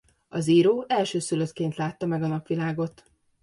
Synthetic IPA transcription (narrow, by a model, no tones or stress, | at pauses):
ɒziːɾoːʔɛlʃøːsyløt̪keːnt̪laːt̪ːɒmɛɡɒnɒpʋilaːɡo̞t̪